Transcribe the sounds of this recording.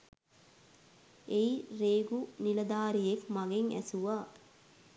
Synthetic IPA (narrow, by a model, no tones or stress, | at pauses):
ejɾeːɡunilɐd̪aːɾijekmaɡeŋæ̰suʋaː